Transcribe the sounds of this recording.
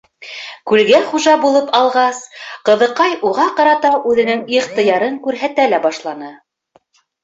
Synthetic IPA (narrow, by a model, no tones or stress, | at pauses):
kʉlɡæχuʒɑbulˠɤpɑlˠʁɑsqɤ̆ðɤ̆qɑjʔuʁɑqɑɾɑt̪ɑʔʉðɘ̆nɘŋiqt̪ɤ̆jɑɾɤŋkʉɾɦæt̪ælæbɑʃlˠɑnɤ